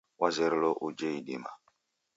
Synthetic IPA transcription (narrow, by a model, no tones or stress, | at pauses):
wazeɾloʔud͡ʒeiɗima̰